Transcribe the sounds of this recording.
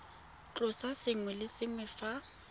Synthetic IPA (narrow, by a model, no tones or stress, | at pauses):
t͡ɬʼʊsasɪŋwɛlɪsɪŋwɛfa